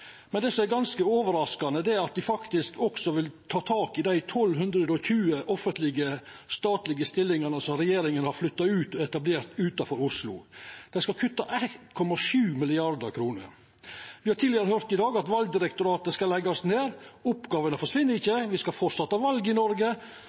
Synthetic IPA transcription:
mɛnd̪ɛːsɔmæɾɡɑnskəoːʋəɾɑskɑnəd̪ɛæɾɑt̪̚d̪ɪfɑkt̪ɪskɔksɔʋɪlt̪ʰɑːt̪ʰɑːkɪd̪æɪt̪ʰɔlːɦʉnd̪ɾəd̪ɔçʉːəʔɔfənt̪lɪɡə | st̪ɑːt̪lɪɡəst̪ɪlːɪŋɑnəsɔmɾɛjeːɾɪŋənəhɑɾflʏt̪ːɑʉːt̪ɔɛt̪ɑbleːɾt̪ʉːt̪ɑfɔɾʊʂlʊ̰d̪̥ɛɪskɑlkʰʉt̪ːɑʔæt̪kʰɔmɑʂʉːmɪlɪɑɾd̪əɾkʰɾuːnə̰ɾ | ʋɪhɑɾʈ̪ʰiːlɪəɾəhøːɾt̪ɪd̪ɑːɡɑt̪ʋɑlɡ̚d̪ɪɾɛkt̪ʊɾɑːt̪skɑlɛɡɑsneːɾʊpɡɑːʋənəfɔʂʋɪnːəɾɪçːəʋɪskɑlfɔsɑt̪ːɑʋɑlɡɪnɔɾɡə

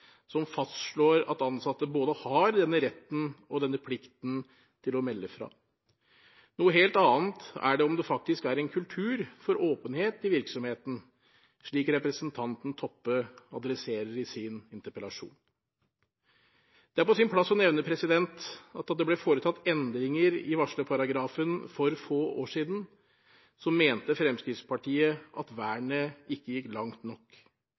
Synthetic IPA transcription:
sɔmfɑst̪ʂɭoːɾɑ̰t̪ɑnsɑt̪ːəboːd̪əhɑɾd̪ɛnːəɾɛt̪ːn̩ɔd̪ɛnːəpʰlɪkt̪n̩ | t̪ʰɪlɔmɛlːəfɾɑ̰ː | nuːəɦeːlt̪ɑːnt̪æ̰ɖɛɔmd̪ɛfɑk̚t̪ɪskæɾɛnkʰʉlt̪ʰʉːɾfɔɾoːpənheːt̪ɪʋɪɾksɔmheːt̪n̩ | ʂɭiːkɾɛpɾəsənt̪ʰɑnt̪n̩t̪ʰɔpːəɑd̪ɾɛseːɾəɾɪsɪnɪnt̪əɾpəlɑʂṵːn | d̪̥ɛæɾpɔsɪnpʰlɑsːɔnɛʋnəpʰɾɛsɪd̪ɛnt̪ɑt̪ɑd̪ɛblɛfoːɾət̪ʰɑt̪ːɛnd̪ɾɪŋəɾɪʋɑʂɭəpʰɑɾɑɡɾɑːfənfɔɾfoːʔoːʂiːd̪n̩ | sɔmːeːnt̪əfɾɛmskɾɪft̪spɑʈʰiːəʔɑt̪ʋæːɳəɪkːəjɪkːlɑŋt̪nɔkː

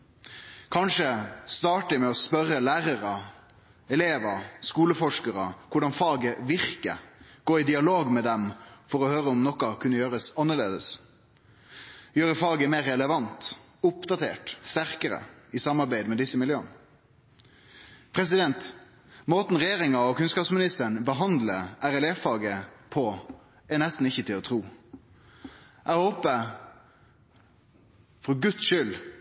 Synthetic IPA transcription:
kʰɑnʂəst̪ɑːʈəɪmɛɔspœɾəlæːɾəɾə | ɛleːʋəskuːləfɔʂkəɾəkʊɖɑnfɑːɡəʋɪɾkə̰ɡ̥oːɪd̪ɪɑloːɡmɛd̪ɛmfɔɾɔhøːɾəɔmnɔkːɑkʰʉnːəjøːɾəsɑnːəɭḛːd̪əs | jøːɾəfɑːɡəmeːɾɛləʋɑnt̪ | ʊpd̪ɑt̪ʰḛːʈst̪æɾkəɾə̰ɪsɑmːɑɾbæɪd̪mɛd̪ɪsːəmɪljøːən | pʰɾɛs̬ɪd̪ɛnt̪ | moːt̪n̩ʁɛjeːɾɪŋɑɔkʉnskɑːpsmɪnɪst̪əɳbəɦɑnd̪ləʔæɾɛlɛfɑːɡəpʰɔ | ɛnɛst̪n̩ɪçːət̪ʰɪlɔt̪ʰɾuː | ʔæhoːpə | fɔɡʉt̪sʃʏl

